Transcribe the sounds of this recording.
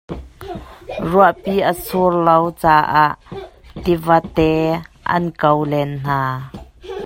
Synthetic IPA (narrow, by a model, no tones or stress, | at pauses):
ruəʔpiːʔəsʰurlowt͡saːʔaʔt̪ivɐt̪ɛ | ʔɐ̰nkəwlɛnn̥aː